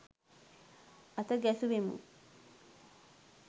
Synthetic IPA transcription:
ɐt̪əɡæsuʋemṵ

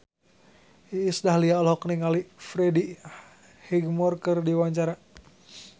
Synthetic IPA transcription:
iːsdahliaɔlhɔk̚niŋalifɾedi | hiɡmɔrkərdiwaɲt͡ʃaɾa

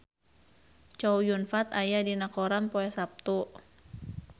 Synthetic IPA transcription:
t͡ʃɔwjunfat̪ajadinakoɾanpoɛsap̚t̪uʔ

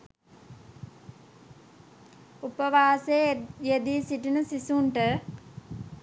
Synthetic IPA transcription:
upəʋaːsejed̪iːsiʈinəsisuɳʈə

